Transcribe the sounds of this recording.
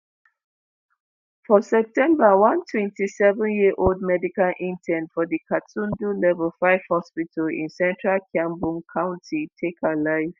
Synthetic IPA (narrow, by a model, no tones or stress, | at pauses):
fɔsɛp̚tɛ̃mbəwãntʰwɛ̃ntisɛvə̃njiəʔold̚mɛdikalʔĩntʰɛ̃ntfɔdikʰatʰũndulɛvəlfaɪv̥hɔspitʰəlḭ̃nsɛ̃ntɹalkʰjãmbũŋkʰãʊ̃ntʰitʰekʰalaɪv̥